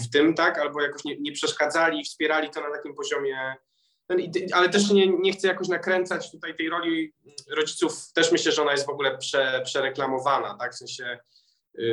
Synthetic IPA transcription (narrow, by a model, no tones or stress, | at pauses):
ft̪ɘmt̪akalbɔjakɔɕɲɛɲɛpʂɛʂkad̪zalʲiːfspʲjɛɾalʲit̪ɔnat̪akʲimpɔʑɔmʲjɛ | t̪ɛnit̪alɛt̪ɛʂɲɛɲɛxt̪sɛjakɔɕnakɾɛnt̪sat͡ɕt̪ut̪ajt̪ɛjɾɔlʲi | ɾɔd͡ʑit̪suft̪ɛʂmɘɕlɛʐɛɔnajɛst̪vɔɡulɛpʂɛpʂɛɾɛklamɔvana̰t̪akfsɛ̃ɕɛ